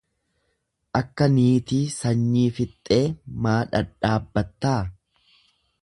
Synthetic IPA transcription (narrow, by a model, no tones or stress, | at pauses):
ʔɐkːɐniːt̪iːsɐɲːiːfɪt̪ʼːe̞ːmaːᶑɐᶑaːbːɐt̪ːaː